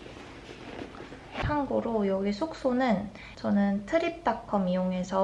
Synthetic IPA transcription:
haŋɡoɾojʌɡisʰok̚s͈onɯn | t͡ɕʌnɯntʰɯɾip̚t͈akʰːʌmijoŋe̞sʰʌ

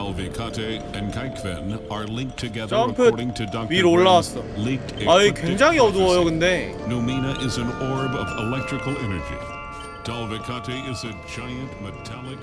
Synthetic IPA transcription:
alˠvɪkʰɑɾiɨ̃nkʰaɪkʰvɨ̰̃nə˞lɪ̃ŋk̚tʰɨɡɛðampʰɹɾɪ̃ŋtʰɨdɑk̚piɾoɭːaas͈ʌlɪ̃k̚tʰaikweŋd͡ʑaŋiʌduʌjokɯnde̞numinɨʔɪzɨ̃nɔɹbʌvɪ̰lɛk̚tɹ̥ɨkl̩ˠɛnə˞d͡ʒḭ | d̥alˠvɨkʰɑɾiɪzɨ | d͡ʒaɪɨ̃nʔmɨtʰælˠɪk̚

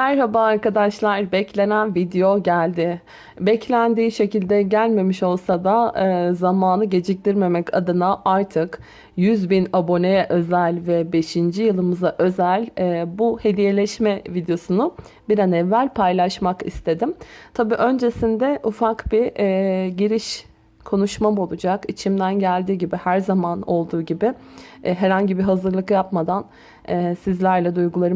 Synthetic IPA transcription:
mæɾɦabaːɾkad̪aʃlˠaɾbɛclʲe̞nænvid̪ejo̞ɟælʲd̪ɪ | bɛclʲænd̪iːʃe̞cilʲd̪ɛɟælʲme̞miʃo̞lˠsad̪aɯzamaːnɯɟe̞d͡ʒic̚t̪iɾme̞mɛca̰d̪ɯnaʔaɾt̪ʰɯk | jyzbinabo̞nejɛʔø̞zælʲvɛbe̞ʃind͡ʒijɯlˠɯmɯzaʔø̞zælʲːbuhe̞d̪ije̞lʲɛʃmɛvid̪ejo̞sunʊ | biɾanɛvːælʲpʰajlˠaʃmakḭst̪ʰe̞d̪imt̪ʰabiːʔø̞nd͡ʒe̞sind̪ɛʔufakbi | ɟiɾiʃ | kʰo̞nuʃmamo̞lˠud͡ʒakit͡ʃʰimd̪ænɟælʲd̪iːɟibihæɾzamano̞lˠd̪uːɟibɪ | ɦɛɾhaɲɟibiɦazɯɾlˠɯkjapmad̪an | ɛsizlʲæɾlʲɛd̪ujɡulˠaɾɯ

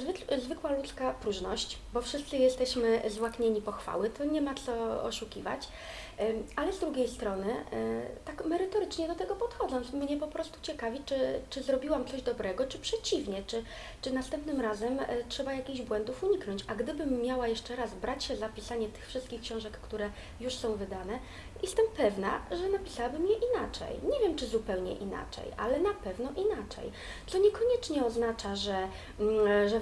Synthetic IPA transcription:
zvzvɘkwalut̪skapɾuʐnɔɕt͡ɕbɔfʂɘst̪sɘjɛst̪ɛɕmɘzwakɲeɲipɔxfa̰wɘt̪ʰɔɲɛmat̪sɔɔ̰ʂukʲḭva̰t͡ɕ | alɛzd̪ɾuɡʲejst̪ɾɔnɘ | t̪akmɛɾɘt̪ɔɾɘt͡ʂɲɛd̪ɔt̪ɛɡɔpɔt̪xɔd̪zɔnt̪smɲɛpɔpɾɔst̪u̥t͡ɕɛkavʲit͡ʂɘt͡ʂɘzɾɔbʲiwamt̪sɔʑd̪ɔbɾɛɡɔt͡ʂɘpʂɛt͡ɕivɲɛt͡ʂɘ | t͡ʂɘnast̪ɛmpnɘmɾazɛmtʂɛbajakʲiɣʑbwɛnd̪ufuɲiknɔ̃ɲt͡ɕaɡd̪ɘbɘmːjawajɛʂt͡ʂɛɾazbɾat͡ɕɕɛzapʲisaɲɛt̪ɘ̥xfʂɘst̪kʲixkɕɔ̃w̃ʐɛkːt̪uɾɛ | juʂsɔ̃w̃vɘd̪anɛ | jɛst̪ɛmpɛvna̰ʐɛnapʲi̥sawabɘmjɛʔinat͡ʂɛ̰jɲɛvʲjɛmt͡ʂɘzupɛwɲɛ̰ʔḭna̰t͡ʂɛ̰ja̰lɛnapɛvnɔʔinat͡ʂɛ̰j | t̪sɔɲɛkɔɲɛt͡ʂɲɛɔznat͡ʂaʐɛ | ʐɛ

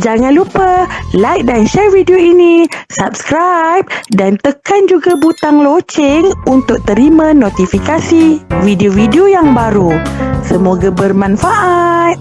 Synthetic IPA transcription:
d͡ʒaŋãnlupəlajk̚danʃɛrvidioinisap̚skɾajp̚dant̪əkand͡ʒuɡabut̪aŋlot͡ʃɪŋunt̪ʊk̚t̪əɾimãnot̪ifikasividiovidiojaŋbaɾusəmoɡabərmãnfaʔat̪̚

